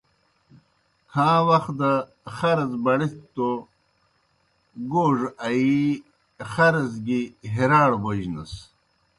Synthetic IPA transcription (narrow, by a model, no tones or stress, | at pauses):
kʰãːwɐxd̪ɐ | xɐɾɐzbɐɽist̪ːo | ɡoːʐɐi | xɐɾɐzɡiɦiɾaːɽbod͡ʑnɐs